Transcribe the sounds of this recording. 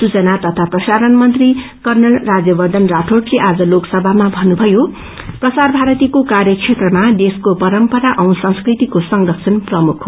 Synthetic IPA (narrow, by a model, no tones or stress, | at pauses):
sut͡sʌnat̪ʌt̪ʰaprʌsaɾʌnmʌnt̪ri | kʌrnʌɭrad͡zjʌbʌrd̪ʱʌnraʈʰoʈleʔad͡zʌloksʌbʱamabʱʌnubʱʌjo | prʌsarbʱaɾʌt̪ikokarjʌkt͡sʰet̪rʌmad̪eskopʌɾʌmpʌɾaʔʌw̃sʌ̃ŋ̃skrit̪ikosʌŋdʌksʰʌnprʌmukʰ